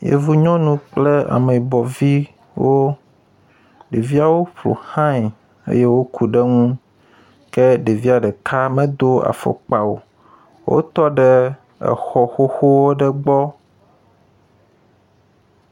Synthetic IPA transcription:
jḛ˨vu˦ɲɔ̃˦nũ˦k͡ple˦a̰˨me˨bɔ˨vi˦ | wo˦ | ɖe˨vi˦a˨wo˦ɸlo̰˨hã˦ɲ˨ | ḛ˦je˦wo˦kʰu˨ɖɛ˦ŋũ˦ | kɛ˦ɖe˨vi˦a˨ɖɛ˨kʰa˦mɛ̃˦d̪o˦a̰˨fɔ̰˨k͡pa˨wo̰˨ | wo̰˦t̪ɔ˦ɖɛ˦ | ɛ̰˨xɔ˨xo˦xo˦wo˦ɖɛ˦ɡ͡bɔ˦

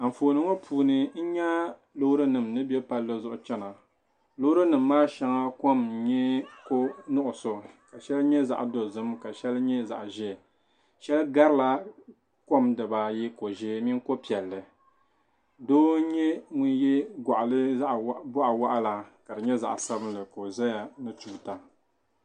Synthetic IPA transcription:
a˨m̩˨foː˨nɨ˦ŋo˦pʰuː˨nɨ˦n̩˦ɲa˦ | lo˦ɾɨ˦nɨ˨mnɨ˦bjɛ˦pa˦lːo˦zʊ˨ʔʊ˨t͡ʃɛ˦na˨ | lo˦ɾɨ˦nɨ˨mːaː˦ʃa˦ŋa˦ko˦m˨ɲɛ˦ko˦nʊ˦ʔʊ˨so˨ka˨ʃɛ˦lɲɛ˦za̰˨ʔdo˨zɨ˦mka˨ʃɛ˦lɲɛ˦za̰˨ʔʒɛ˦˨ | ʃɛ˦lɡa˦ɾɨ˦la˦ | ko˦mdɨ˨ba˨ji˦ko˨ʒe˦mi˦ŋ˦ko˦pi˨ɛ˨lːɨ˨ | doː˦ɲɛ˦ŋu˦n˦jɛ˦ɡʷa˨ʔa˨lɨ˦a˦ʔbʊ˦ʔa˨wa˦ʔa˦la˨ka˨dɨ˨ɲɛ˦za̰˨ʔsa˦bɨ˦lɨ˨ko˨za˦ja˨nɨ˦tu˦˨˦ta˨

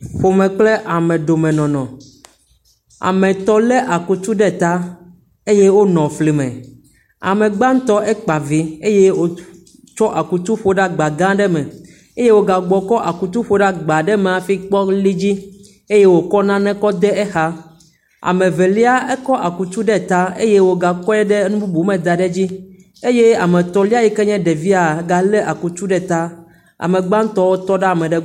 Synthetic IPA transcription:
ɸo˨mɛ̃˨k͡ple˦ʔa˨mɛ̃˨ɖo˨mɛ̃˨nɔ̃˨nɔ̃˨ | a̰˨mɛ̃˨t̪ɔ˦lɛ˦ʔa˨ku˨t̪u˦ɖɛ˦˨t̪a˦ | e˦je˦wo˦nɔ̃˨fli˨mɛ̰̃˨ | a̰˨mɛ̃˨ɡ͡ba˦ŋ̩˦t̪ɔ˦ʔɛ˦k͡pa˨vi˦e˦je˦wo˦ | t͡ʃɔ˦ʔa˨ku˨t̪u˦ɸo˨ɖa˦ɡ͡ba˨ɡã˦ɖɛ˦mɛ̃˨ | e˦je˦wo˦ɡa˨ɡ͡bɔ˨kɔ˦ʔa˨ku˨t̪u˦ɸo˨ɖa˦ɡ͡ba˨ɖɛ˦me˨a˨fi˦k͡pɔ˦li˦d͡ʑi˦ | e˦je˦wo˨kɔ˦nã˦nɛ̃˦kɔ˦d̪ɛ˦ɛ˦xa˦ | a̰˨mɛ̃˨ve˨li˦a˦ʔe˦kɔ˦ʔa˨ku˨t̪u˦ɖɛ˦t̪a˦e˦je˦wo˦ɡa˨kɔ˦ɛ˦ɖɛ˦nũ˦bu˦bu˨˦mɛ̃˨d̪a˨ɖɛ˦d͡ʑi˦ | e˦je˦a˨mɛ̃˨t̪ɔ˦li˦a˦ji˦kɛ˦ɲɛ̃˦ɖe˨vi˦a˨˦ɡa˨le˦ʔa˨ku˨t̪u˦ɖɛ˨t̪a˦ | a̰˨mẽ˨ɡ͡bã˦ŋ˦t̪ɔ˦wo˦t̪ɔ˦ɖɛ˦a˨mɛ̃˨ɖɛ˦

